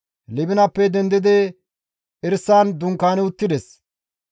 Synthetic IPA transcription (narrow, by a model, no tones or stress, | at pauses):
lɪbɪnɐpːɛd̪ɛnd̪ɪd̪ɛ | ɪɾsːaːnd̪ʊŋkːaːnɛʊt̪ːɪd̪ɛs